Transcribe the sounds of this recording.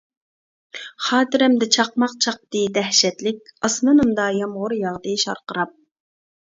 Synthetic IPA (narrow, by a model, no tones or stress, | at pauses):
χɑːt̪ɨɾɛmd̪ɪt͡ʃʰɑq̚mɑqt͡ʃʰɑq̚t̪ɨd̪ɛhʃɛt̪lɪk̚ʲɑsnɨnɨmd̪ɑjɑmʁʊɾjɑʁd̪ɨʃɑ̰ɾqəɾɑp̚